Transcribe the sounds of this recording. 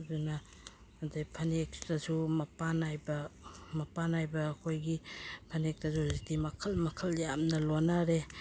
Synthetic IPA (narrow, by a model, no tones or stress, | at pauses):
dunaː | dajpʰɐnek̚tazumɐpanajbɐmɐpanajbɐːkʰojɡipʰɐnek̚tazuzidimɐkʰɐlmɐkʰɐljamnɐlonaɾe